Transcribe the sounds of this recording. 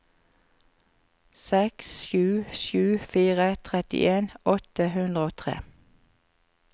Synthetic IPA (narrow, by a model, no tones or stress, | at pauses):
sɛksʃʉːʃʉːfiːʁət̪ʰʁɛt̪ɪ̰ʔeːnʔɔt̪əhʉnd̪ʁəoːt̪ʰʁḛː